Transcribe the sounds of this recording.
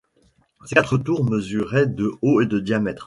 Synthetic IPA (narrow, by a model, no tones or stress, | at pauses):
sekat̪χət̪uʁməzyʁɛd̪əoed̪əd̪jamɛt̪χ